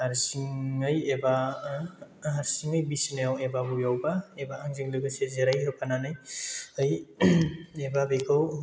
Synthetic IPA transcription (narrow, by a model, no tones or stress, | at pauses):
aɾsiŋɯjeba | ɦaɾsiŋɯjbisinajawebabujawbaebaːŋziŋlɯɡɯsezeɾajɦɯpʰananɯjɯj | ebabekʰaw